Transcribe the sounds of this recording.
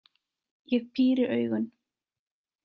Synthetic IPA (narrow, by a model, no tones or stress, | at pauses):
jɛɣpʰiːɾɪʔœːɥɣʏn